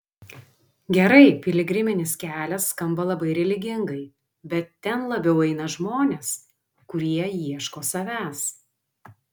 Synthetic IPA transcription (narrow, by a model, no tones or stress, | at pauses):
ɡʲɛɾɐɪpʲɪlʲɪɡɾʲɪmʲɪnʲɪskʲæːlʲɛsːkɐmbɐlˠɐbɐɪɾʲɛlʲɪɡʲɪŋɡɐɪ | bʲɛt̪ːʲɛnlˠɐbʲɛʊɛɪnɐʒmoːnʲeːs | kʊɾʲiɛjiɛʃkoːsɐʋʲæːs